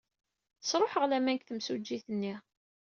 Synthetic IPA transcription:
θəsɾˤoħəʁlæmænkθəmsud͡ʒːiθənːi

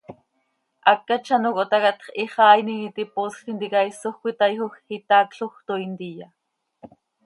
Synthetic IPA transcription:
ʔakːat͡ʃanokot̪ɑkat̪χiχɑːjninit̪iposχint̪ikaisoxkʷit̪ajxoxit̪akɬoxt̪oint̪ija

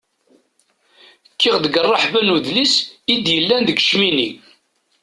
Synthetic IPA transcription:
kʰːiʁðəɡərˤːɑħvænuðlisid̪jəlːænðəɡʃmini

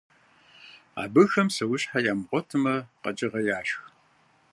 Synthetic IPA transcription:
a̰ːbɨxɐmsɐwʊɕħajaːmʁʷɔtʰɨmɐqɐ̰t͡ʃʼɪʁɐjaːɕx

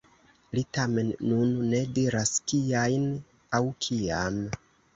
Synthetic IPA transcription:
litame̞nːunːe̞diɾaskiajn | awkʰiam

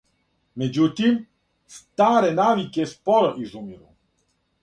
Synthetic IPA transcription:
med͡ʒut̪im | st̪aːɾenaːʋikespɔɾɔʔizumiɾṵ

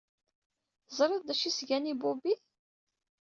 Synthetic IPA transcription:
zˤɾˤiðd̪æʃisʝænibubi

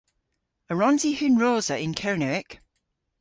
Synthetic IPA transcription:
əɹɒ̃nzihʉnɹoːzəʔɪ̃nkʰəɹnəɪk

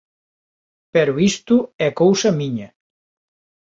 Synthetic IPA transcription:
pɛɾuist̪uɛkowsɐmiɲɐ

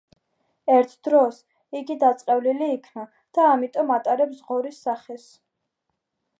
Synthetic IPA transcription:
ɛɾt̪ʰd̪̥ɾɔs | iɡid̪at̪sʼqʼɛvliliːkʰna | d̪̥aːmit̪ʼɔmat̪ʼaɾɛpzʁɔɾisːaχɛs

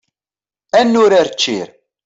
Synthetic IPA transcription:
ænːʊɾaɾt͡ʃːiɾ

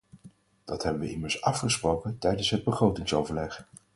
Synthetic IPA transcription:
d̥ɑtɦɛbəʋəɪməɹsɑfχəsprowkəntɛjdənsɦəd̚bəχrowtɪŋsowvəɹlɛχ

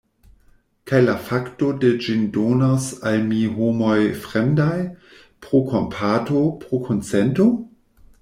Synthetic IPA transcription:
kajlafaktoded͡ʒindonasalmiɦomojfʁemdaj | pʁokʰompʰatopʁokʰont͡sento

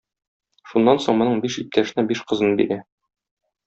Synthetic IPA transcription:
ʃunːɑnsoɴmɤ̆nɤɴbiʃip̚t̪æʃɘ̆næbiʃqɤ̆zɤ̆nɤbḭɾæ

